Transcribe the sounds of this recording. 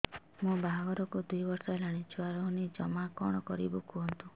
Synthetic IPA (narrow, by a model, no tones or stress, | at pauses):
mũbaɦbɔɾɔkud̪ujbɔɾsɔelaɽ̃it͡ʃʰuaɾɔɦunid͡ʒɔmakɔɽ̃ɔkɔɾḭbukuɦɔnt̪ũ